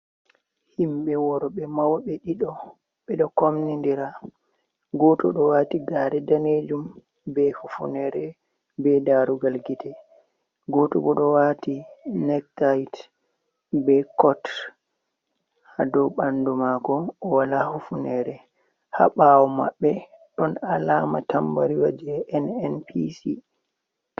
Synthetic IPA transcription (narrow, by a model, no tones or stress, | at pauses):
himɓɛwɔɾɔɓɛmawɓɛɗiɗɔ | ɓɛɗɔkomnindiɾa | ɡɔtɔ̰ɗɔwaːtiɡaːɾɛdaned͡ʒum | bɛhufṵnɛɾɛ | bɛdaɾuɡalɡitɛ | ɡɔtubɔɗɔwatinɛk̚tajt | bɛkɔt | hadɔɓandumakɔːwalahufunɛɾɛ | ha̰ɓawɔma̰ɓːɛ | ɗɔnalamatambaɾiwa̰d͡ʒɛːnɛnpisi